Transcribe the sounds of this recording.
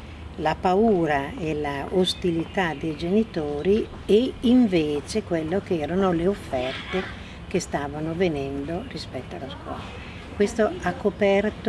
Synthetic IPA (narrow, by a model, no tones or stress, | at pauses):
lapauːɾaelaost̪ilit̪ad̪ejd͡ʒenit̪oːɾi | eiɱveːt͡ʃekwelːokeɛːɾanoleofːɛrt̪e | kest̪aːvanovenɛnd̪orispɛt̪ːoalːaskwɔ̰ːla | kwest̪oakːopɛrt̪